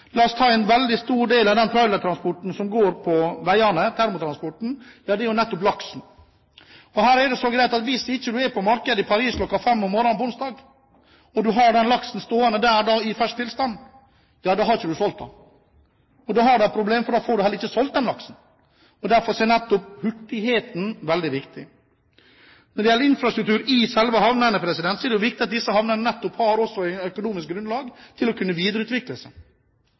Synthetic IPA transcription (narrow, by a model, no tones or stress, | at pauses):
lɑːst̪ʰɑːɛnʋɛld̪ɪst̪uːɾɖeːlɑʋd̪ɛnt̪ʰɾɑʏlət̪ʰɾɑnspɔʈn̩sɔmɡoːɾpʰɔʋæɪɑɳət̪ʰæɾmʊt̪ʰɾɑnspɔʈn̩jɑːd̪ɛɛɾjʊnɛt̪ːɔplɑksn̩ | ɔhæːɾɛɖɛsɔɡɾæɪt̪ɑt̪ʋɪsɪçːəd̪ʉɛpʰɔmɑɾkəd̪əɪpʰɑɾiːskʰlɔkːɑfɛmːɔmːɔɾɔnpɔʊnsd̪ɑːɡ | ɔd̪ʉɦɑɖɛnlɑksn̩st̪oːɑnəd̪æːɾd̪ɑɪfæʂ̚t̪ʰɪlst̪ɑn | jɑːd̪oːɦɑɾɪçəd̪ʉsɔlt̪̚ːɑ̰ | ɔd̪ɑːhɑɖʉɛpʰɾʊbleːmfɔɖɑːfoːɾɖʉhɛləɾɪçːəsɔlt̪̚d̪ɛnlɑksn̩ | ɔd̪æɾfɔɾsɔɛnɛt̪ːʊphʉʈːɪheːt̪n̩ʋɛld̪ɪʋɪkt̪ɪ | nɔɖɛjɛlːəɾɪnfɾɑst̪ɾʉkt̪ʉːɾɪsɛlʋəhɑʋnənəpʰɾɛsɪd̪ɛnt̪sɔɛɖɛjʊʋɪkt̪ɪɑt̪̚d̪ɪsəhɑʋnənənɛt̪ːɔphɑːɾɔsɔæɪnœkʊnuːmɪsk̚ɡɾʉnd̪lɑːɡt̪ʰɪlɔkʰʉnːəʋiːd̪əɾəʉːt̪ʋɪkləsɛ